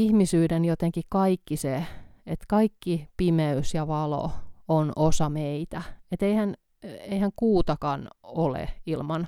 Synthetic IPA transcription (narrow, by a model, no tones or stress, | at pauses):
ihmisyːdenjot̪eŋkikɑikːiseet̪kɑikːipimeysjɑʋɑlo̰onosɑmeit̪æet̪eihæn | eihæŋkuːt̪ɑkɑnolḛilmɑn